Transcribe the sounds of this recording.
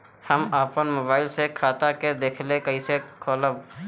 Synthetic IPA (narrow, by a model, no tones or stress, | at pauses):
həmaːpənmoːbaːɪlsekʰaːt̪aked̪eːkʰlekəĩsekʰɔːləb